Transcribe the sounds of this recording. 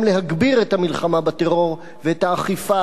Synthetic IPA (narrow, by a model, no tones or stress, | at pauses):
mle̞ɦaɡbiʁethamilχamabate̞ʁo̞ʁ | veethaːχifa